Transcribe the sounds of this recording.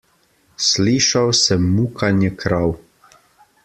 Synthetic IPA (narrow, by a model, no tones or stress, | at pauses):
sliːʃawsɛmːuːkanjɛkʰɾaw